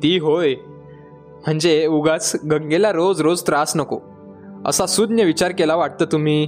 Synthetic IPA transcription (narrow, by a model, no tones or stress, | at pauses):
t̪iːɦoj | m̤əɳd͡zeuɡat͡sɡʱə̃ŋɡelaɾod͡zɾod͡zt̪ɾasnəko̰ | ə̰sasud̪njəʋit͡ɕaɾkelaʋaʈ̚t̪əːt̪um̤iː